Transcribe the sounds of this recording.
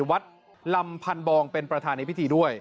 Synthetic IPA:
wa˦˥t̪̚ | la˧mpʰa˧nbɔː˧ŋpe˧npɾa˧t̪ʰaː˧na˧jpʰi˦˥t̪ʰiː˧du˥˩əj

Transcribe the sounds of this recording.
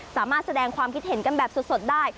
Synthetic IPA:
saː˩˦maː˥˩t̪̚sa˧dɛː˧ŋkʰwaː˧mkʰi˦˥t̪̚he˩˦nka˧nbɛː˨˩p̚so˨˩t̪̚so˨˩t̪̚daː˥˩j

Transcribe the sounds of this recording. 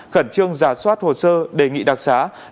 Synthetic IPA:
xə˧˩nt͡ɕɨ˧əŋzaː˨˦swaː˦˥t̚ho̰˨˩səː˧ɗe˧˩ŋḭ˧˨ɗaː˨˩k̚zaː˨˦

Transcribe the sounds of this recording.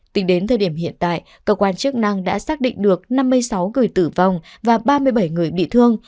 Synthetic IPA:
t̪ï˨˦ŋ̟ɗe˨˦nt̪ʰəː˨˩ɗi˧˩əmɦḭ˧˨ənt̪a̰ː˧˨jʔ | kəː˧kwaː˧nt͡ɕɨ˦˥ək̚na˧ŋɗa̰ː˧˥saː˦˥k̚ɗḭ˧˨ŋ̟ɗɨ˨˩ək̚na˧mːɨ˧əjsa˨˦wŋɨ˨˩əjt̪ɨ˧˩va˨˩wŋ͡mvaː˨˩ɓaː˧mɨ˧əjɓə˧˩jŋɨ˨˩əjɓḭ˧˨t̪ʰɨ˧əŋ

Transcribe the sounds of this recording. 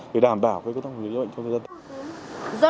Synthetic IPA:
ɗe˨˩ɗaː˨˩mɓaː˧˩wvəː˨˦kːt̪a˧˩m̰˨˩˨z̰ɓə̰˧˨ŋt͡ɕŋ͡mt̪ə˨˩zaː˧nt̪ | zɔ˧

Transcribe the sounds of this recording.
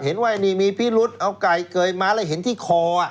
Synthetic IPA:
he˩˦nwa˧˩jniː˧˩miː˧pʰiː˦˥˩lu˦˥t̪̚ʔa˧wka˨˩jkɤː˧jmaː˧laː˧˩ɦe˨˩˦nt̪ʰiː˥˩kʰɔː˧a˨˩

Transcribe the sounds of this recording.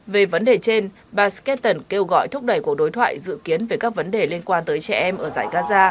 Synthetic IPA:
ve˨˩və˨˦nɗe˨˩t͡ɕe˧n | ɓaː˨˩skɛ˦˥nt̪ə˨˩nke˧wɣɔ̰˧˨jt̪ʰʊ˦˥k͡p̚ɗə˧˩jku˧˩ək̚ɗo˨˦jt̪ʰwa̰ː˧˨jzɨ̰˧˨ki˨˦ənve˨˩kaː˦˥k̚və˨˦nɗe˨˩li˧ənkwaː˧nt̪əː˨˦jt͡ɕɛ̰˧˩ʔɛ˧mʔəː˧˩zaː˧˩jɣaː˧zaː˧

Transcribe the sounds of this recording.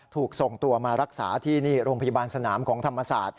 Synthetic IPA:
t̪ʰuː˨˩k̚so˨˩ŋt̪u˧ɐmaː˧ɾa˦˥k̚sa̰ː˩˦t̪ʰiː˥˩niː˥˩ɾoː˧mpʰa˧ja˧baː˧nsa˧naː˩˦mkʰɔː˩˦ŋt̪ʰa˧mːa˧sa̰ː˨˩t̪̚

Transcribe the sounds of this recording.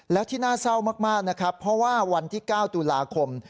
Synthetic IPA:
lɛː˦˥wt̪ʰiː˥˩naː˥˩sa˥˩wmaː˥˩k̚maː˥˩k̚na˦˥kʰɾa˦˥pʰːɾɔ˦˥waː˥˩wa˧nt̪ʰiː˥˩kaː˥˩wt̪uː˧laː˧kʰo˧m

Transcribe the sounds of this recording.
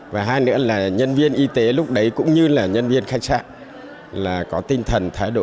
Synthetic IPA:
vaː˨˩ɦaː˧jnɨ̰˧˥əlaː˨˩ɲə˧nvi˧ənʔi˧t̪e˨˦lʊ˦˥k͡p̚ɗə˨˦jkʊ̰˧˥ŋ͡mɲɨ˧laː˨˩ɲə˧nvi˧ənxa˦˥jk̚sa̰ː˧˥˨n | laː˨˩kɔ˨˦t̪ï˧ŋ̟t̪ʰə˨˩nt̪ʰaː˨˦jɗo̰˧˨

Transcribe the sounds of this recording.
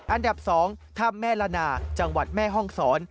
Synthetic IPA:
ʔa˧nda˨˩p̚sɔː˩˦ŋt̪ʰa˥˩mːɛː˥˩laː˧naː˧t͡ɕa˧ŋwa˨˩t̪̚mɛː˥˩ɦɔ˥˩ŋsɔː˩˦n

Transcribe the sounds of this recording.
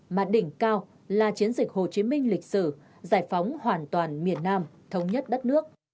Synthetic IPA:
maː˨˩ɗï˧˩ŋ̟kaː˧w | laː˨˩t͡ɕi˨˦ənzï˨˩k̟̚ho˨˩t͡ɕi˨˦mï˧ŋ̟lï˨˩k̟̚sɨ̰˧˩ | zaː˧˩jfɔ˨˦wŋ͡mhwaː˨˩nt̪waː˨˩nmi˨˩ənːaː˧m | t̪ʰə˨˧wŋ͡mɲə˦˥t̚ɗə˦˥t̚nɨ˦˥ək̚

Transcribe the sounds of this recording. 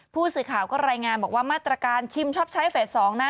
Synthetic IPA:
pʰuː˥˩sɯː˨˩kʰaː˨˩wkɔː˥˩ɾaː˧jŋaː˧nbɔː˨˩k̚waː˥˩maː˥˩t̪ɾa˧kaː˧nt͡ɕʰi˧mt͡ɕʰɔː˥˩p̚t͡ɕʰa˦˥jfeː˨˩t̪̚sɔː˩˦ŋna˦˥

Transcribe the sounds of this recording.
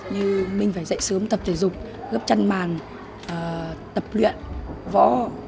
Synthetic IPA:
ɲɨ˧mï˨˩ŋ̟faː˧˩jzə̰˧˨jsɨː˨˦mt̪ə˨˩p̚t̪e˧˩jzʊ˨˩k͡p̚ | ɣp̚t͡ɕa˧nmaː˨˩n | ʔəː˨˩t̪ə˨˩p̚lwḭ˧˨ənvɔ̰˧˥

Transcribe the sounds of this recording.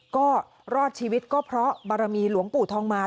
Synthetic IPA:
kɔː˥˩ | ɾɔː˥˩t̪̚t͡ɕʰiː˧wi˦˥t̪̚kɔː˥˩pʰɾɔ˦˥ba˧ɾa˧miː˧lu˩˦əŋpuː˨˩t̪ʰɔː˧ŋmaː˧

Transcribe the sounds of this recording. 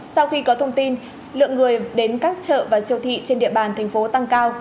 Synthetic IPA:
sa˧wxi˧kɔ˨˦t̪ʰə˧wŋ͡mt̪i˧n | lɨ̰˧˨əŋːɨ˨˩əjɗe˨˦nkaː˦˥k̚t͡ɕə̰ː˧˨vaː˨˩si˧əwt̪ʰḭ˧˨t͡ɕe˧nɗḭ˧˨əɓaː˨˩nt̪ʰa˨˩jŋ̟fo˨˦t̪a˧ŋkaː˧w

